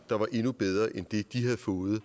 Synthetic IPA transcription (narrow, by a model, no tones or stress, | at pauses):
d̥ɑ̈ʋɑ̈ʔe̝nub̥eð̞ˠʁɐːʔend̥e̝d̥iɦæðˠfɔ̽ːð̩ˠ